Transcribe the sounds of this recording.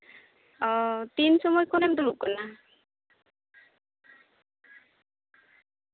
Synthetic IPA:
ɔtinsɔmɔjkʰɔnɛmdɔmʊp̚kɔna

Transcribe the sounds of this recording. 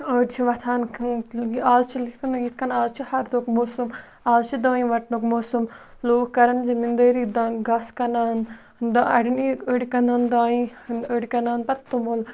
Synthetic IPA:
əːɾt͡ʃʰiʋɐt̪ʰaːn | aːzt͡ʃʰilikkɐnit̪̚ʰkɐnaːzt͡ʃʰihɐɾd̪oːkmoːsum | aːzt͡ʃʰid̪ɐːĩʋɐʈnokmoːsum | loːkkɐɾɐnzimind̪əːɾid̪aɡɐskɐnaːn | d̪ɐɐɽiniəɽʲikɐnaːnd̪aːĩəɽikɐnaːnpɐt̪ːumol

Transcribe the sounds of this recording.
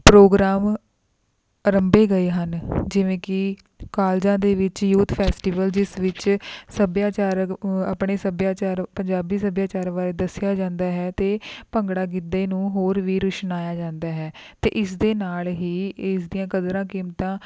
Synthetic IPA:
pɾoːɡɾaːm | əɾəmbeːɡəeːɦənd͡ʒɪʋẽːkɪ | kaːld͡ʒãːd̪eːʋɪt͡ʃjuːt̪ʰpʰɛːsʈiːʋəld͡ʒɪsʋɪt͡ʃsəbjaːt͡ʃaːɾaːpɳeːsəbjaːt͡ʃaːɾpəɲd͡ʒaːbiːsəbjaːt͡ʃaːɾʋaːɾeːd̪əsɪjaːd͡ʒãːnd̪aːɦɛːt̪eːpəŋɡɽaːɡɪd̪eːnũːɦoːɾʋiːɾʊʃnaːjaːd͡ʒãːnd̪aːɦɛːt̪ḛːʔɪsd̪eːnaːlɦiːɪs̬d̪ijãːkəd̪ɾãːkiːmt̪ãː

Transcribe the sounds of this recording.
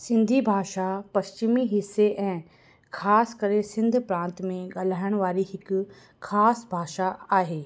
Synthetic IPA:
sɪ̃nd̪ʱibʱaːʃapɐst͡ɕɪmiɦɪsːeʔɛ̃ː | kʰaːskɐɾesɪ̃nd̪ʱpɾãːnt̪mẽɠaːl̤aːɪəɽ̃ʋaːɾiɦɪkʊ | aːsbʱaːʃaaːɦeː

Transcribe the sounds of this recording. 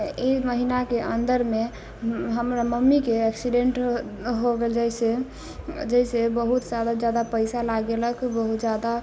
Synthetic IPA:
eməɦinakeʔənd̪əɾme | ɦəmɾaməmːikeɛksiɖeɳʈɦoɡeld͡ʒəse | d͡ʒəisebəɦut̪d͡ʒad̪ad͡ʒad̪apəɪsalaɡeləkʰbəɦut̪d͡ʒad̪a

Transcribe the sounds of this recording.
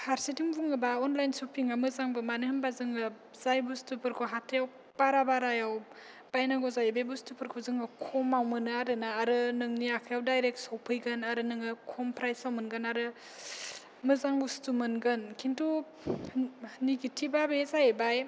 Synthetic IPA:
haɾsitiŋbuŋɯbaɔnlajnsupʰiŋamɯzaŋbɯmanɯhɯnbazɯŋɯ | zajbustupʰɯɾkʰoɦatʰejaw | b̥aɾabaɾajaw | b̥ajnaɡozajbebustupʰɯɾkʰozɯŋɯkʰɔmawmɯnɯaɾɯnaaɾɯnɯŋniakʰjawdajɾek̚sawpʰɯjɡɯnaɾɯnɯŋɯkʰɔmpʰɾajsawmɯnɡɯnaɾɯ | mɯzaŋbustumɯnɡɯnkʰintu | niɡitʰibabezajebaj

